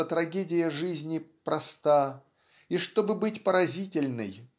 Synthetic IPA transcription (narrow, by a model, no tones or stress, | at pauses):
ət̪ɾɐɡʲedʲɪjəʐɨzʲnʲɪpɾɐst̪a | iʂt̪o̞bɨbɨtʲpəɾɐzʲitʲɪlʲnɨ̰j